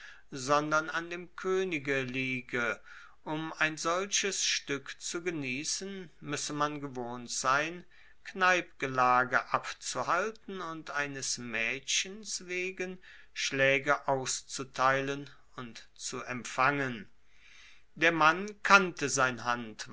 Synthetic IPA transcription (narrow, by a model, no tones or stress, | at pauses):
zɔndɐnandeːmkʰøːnɪɡəliːɡə | ʔʊmaɪnzɔlɕəsʃtʏkt͡suɡəniːsənmʏsəmanɡəvoːntz̥aɪn | knaɪp̚ɡ̥əlaːɡəʔapt͡suhaltn̩ʊntʔaɪnəsmɛːçənsveːɡən | ʃlɛːɡəʔaʊst͡sutʰaɪlən | ʊnt | t͡suʔɛmfaŋən | d̥eːɐmankʰantəzaɪnɦant